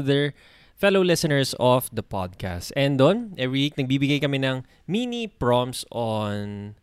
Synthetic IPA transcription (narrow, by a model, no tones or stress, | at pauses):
ðɛɹ | fɛlowlɪsɐnɛɹsɔfd̪ɐpɔ̰d̪̚ka̰st̪ɛnd̪onʔɛvɹiwik̚nɐɡ̚biːbɪɡajkɐmɛnɐŋ | miːnipɹɔmson